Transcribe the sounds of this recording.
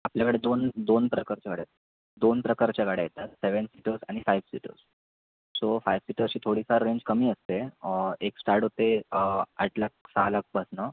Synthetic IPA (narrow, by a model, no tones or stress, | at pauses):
apljakəɽed̪ond̪onpɾəkaɾt͡ɕakaɽejt̪ | d̪onpɾəkaɾt͡ɕakaɽejet̪at̪seʋəɳsiʈəɾsaɽ̃ifajʋsḭʈə̰ɾs | sofajʋsiʈəɕiːt̪ʰoɽiːsaɾɾeɲd͡ʑkəmiːəst̪eeksʈaɾʈɦot̪ea̰ʈlak̚salak̚pəsnə